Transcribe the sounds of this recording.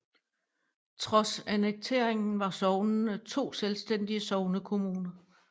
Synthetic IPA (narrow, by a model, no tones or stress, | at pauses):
t͡sʰʁɒ̽sæneɡ̥̚t͡sʰe̝ɐ̰eŋn̩ʋɑ̈sɒʊnnət͡sʰo̝̰ːselsd̥en̰d̥iəsɒʊnəkʰo̝muːnɐ